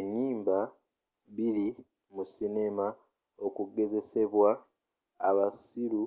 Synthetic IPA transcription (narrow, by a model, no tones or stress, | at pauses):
eɲiːmba | βiɾi | musine̞ma | o̞kuɡe̞ze̞se̞βwa̰ː | βasiɾu